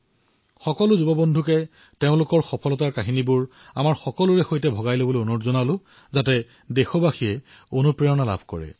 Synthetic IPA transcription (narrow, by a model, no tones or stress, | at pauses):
xɔkɔlʊzubɔbɔndʱukɛ | teʊ̃lʊkɔɹxɔpʰɔlɔtaɹkaɦinibʊɹ | a̰maɹxɔkɔlʊɹɛxojtɛbʱɔɡajlobolionɔtzɔnalʊ̃ | zatɛ | dexɔbaxijɛ | onupɹiɔnala̰bʱkɔ̰ɹɛ̰